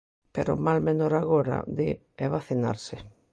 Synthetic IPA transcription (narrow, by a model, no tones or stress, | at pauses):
peɾo̰malmẽnoɾaɣoɾa̰d̪ḛ | eβaθina̰ɾsɪ